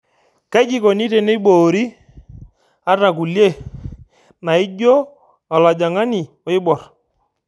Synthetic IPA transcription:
kɛ˦d͡ʒi˦ko˨ni˦te˦ne˦ɓoː˨ɾi˦ | a˦ra˨k̬u˨lje˦˨ | na˨ɪ˦d͡ʒo˦ | a˨la˨d͡ʒa˨ŋa˦ni˨ | ɔ˨˦ɪ˦bɔ˨r

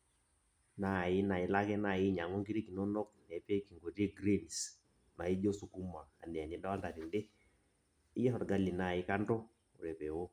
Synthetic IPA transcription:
na˦˨i˦na˨i˨˦la˦kɛ˦na˦˨ji˦ɲa˨ŋɔ˦ŋɡi˦ɾe˦ki˨nɔ˦nɔ˦k̚nɛ˨pɛ˦ki˨ŋɡo˨ɾe˦ɡɾe˦ni˨s | na˨i˦d͡ʒɔ˦su˨ku˦maː˨nɛ˨a˨nɛ˨˦da˦wa˦lta˨ɾi˨ndɛ˦ | i˦jɛ˦hɔ˨ɾɡa˦li˨na˦˨i˦ka˦ntɔ˦ | ṵ˨ɾɛ˨pɛ˨wo˦

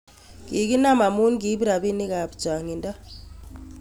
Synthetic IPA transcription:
ki˨ki˦na˦˨ma˨mu˦nki˨˦bi˦ɾa˨bi˦ni˦ka˨bd͡ʒa˨ŋi˨nda˦

